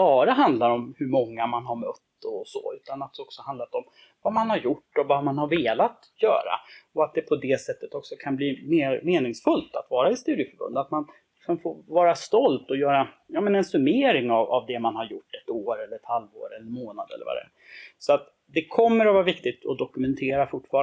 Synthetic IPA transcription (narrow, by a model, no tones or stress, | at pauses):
bɑːɾaɦand̪laɾɔmhɵɾmɔŋːamanɦaɾmœt̪ːɔsɔ̰ʉ̟ːt̪anat̪̚d̪ɛɔksɔand̪lat̪ɔm | vamanhaɾjʊʈːɔvamanhaɾveːlat̪ | jœ̰ːɾa̰ɔat̪̚d̪ɛpʰɔd̪ɛsɛt̪ːət̪ɔksɔkʰanbliːmeːɾmeːnɪŋsfɵlt̪a̰t̪vɑːɾaɪst̪ʉːɾɪfœɾbɵ̰nd̪at̪manɪksɔmfoɾvɑːɾast̪ɔlt̪ɔjœːɾa | jɑːmɛnɛnsɵmeːɾɪŋava̰vd̪ɛmanhaɾjʊʈːɛt̪oːɾɛlːəɾɛt̪halvo̰ːɾɛlːəɾmoːnad̪ɛ̰lːə̰ɾva̰d̪ɛ̰ | sɔat̪ | d̪ɛkʰɔmːəɾɔvɑːɾavɪkt̪ɪt̪ɔd̪ɔkɵmɛnt̪ʰeːɾafʊʈːfɑːɾ